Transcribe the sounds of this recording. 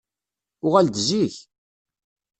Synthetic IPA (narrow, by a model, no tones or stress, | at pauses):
ʊʁæld̪ziç